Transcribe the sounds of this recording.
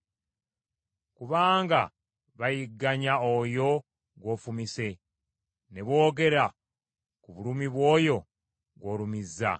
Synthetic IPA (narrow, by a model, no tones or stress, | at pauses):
kuβaːŋɡa | βajiɡːaɲaojo̞ | ɡwo̞fumise̞ | ne̞βo̞ːɡe̞ɾa | kuβulumiβwo̞ːjo̞ | ɡwo̞lumizːa̰